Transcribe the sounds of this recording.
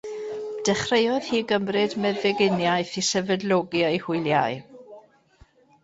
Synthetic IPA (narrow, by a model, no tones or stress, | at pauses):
d̥ɛχrejɔð̥hiːɡəmrɨdmɛðɛɡɪnjaɨθisɛvɛdlˠɔɡjaehʊɨlˠja̰ɨ